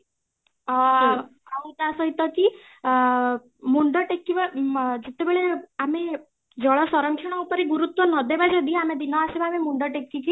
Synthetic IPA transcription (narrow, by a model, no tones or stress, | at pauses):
aut̪asɔit̪ɔki | muɳɖɔʈekːiʋad͡ʒet̪ebeɭeame | d͡ʒɔɭɔsɔɾəŋkt͡ʃʰɔɽ̃ɔupɔɾeɡuɾut̪wɔnɔd̪ebad͡ʒɔd̪iamed̪inɔasebamemuɳɖɔʈekːiki